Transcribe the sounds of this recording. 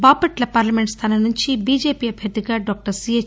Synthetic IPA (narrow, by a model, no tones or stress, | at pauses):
baːpɐʈlɐpaːɾlɐmeɳʈst̪ʰaːnɐnuɲt͡ʃibiːd͡ʒeːpiːɐbʱjɐt̪iɡaɖɔːk̚ʈɐɾsie